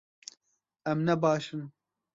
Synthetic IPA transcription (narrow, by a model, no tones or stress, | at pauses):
ɛmnɛbɑːʃɨn